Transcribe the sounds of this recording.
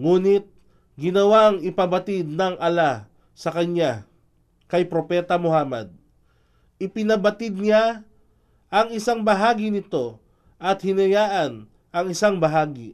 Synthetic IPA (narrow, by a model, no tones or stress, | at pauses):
ŋuːnɪt̪̚ | ɡɪnɐwaŋɪpɐbɐt̪ɪd̪̚nɐŋʔɐla | sɐkɐna | kɐjpɾopɛːt̪ɐmohaːmɐ̰d̪̚ | ɪpɪnɐbɐt̪ɪd̪̚ɲa | ʔɐŋɪsaŋbɐɦaːɡinɪt̪o̞ | ʔɐt̪̚hɪnɐjaːʔɐn | ʔɐŋɪsaŋbɐɦaːɡi